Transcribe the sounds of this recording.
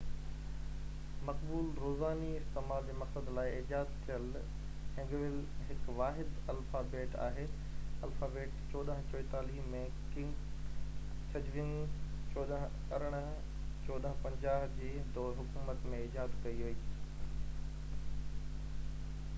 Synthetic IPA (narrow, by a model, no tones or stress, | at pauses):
mɐkbuːlɾoːzaːniɪst̪ɪmaːld͡ʑeːmɐksəd̪laːɪɪːd͡ʑaːzt̪ʰijəl | ɦɪ̃ŋɡʋɪlɦɪkʋaːɦɪd̪ɐlfaːbeːʈa̰ːɦeː | ɐlfaːbeːʈt͡ɕɔːd̪əɦt͡ɕoːɪt̪aːliːɦmẽ | kɪ̃ | t͡ɕʰɐd͡ʑʋɪnt͡ɕɔːd̪əɦ | ɐɾəɽ̃ | t͡ɕɔːd̪əɦpɐ̃ɲd͡ʑaːɦd͡ʑiːd̪oːɦʊkuːmət̪mẽɪːd͡ʑaːzkɐiɦoiː